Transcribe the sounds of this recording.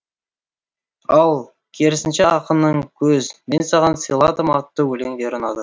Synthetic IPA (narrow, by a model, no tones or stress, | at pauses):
ɑlˠ | kʲʰeɾɪsɪnʃeɑqənːəɴkʲʰɵzme̞nsɑʁɑnsijlˠɑd̪əmɑt̪ːəwɵle̞ŋd̪e̞ɾonɑd̪ə